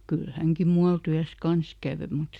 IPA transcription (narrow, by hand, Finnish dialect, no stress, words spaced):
kyl hæŋki muɑl tyæs kɑns kæˑʋø mut